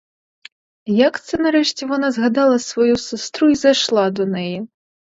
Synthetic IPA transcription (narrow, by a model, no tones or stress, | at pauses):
jakt̪sɨnɐɾɛʂt͡sʲɛvanazɣad̪alˠɐsvajusɨst̪ɾuizajʂlˠad̪unɛjɛ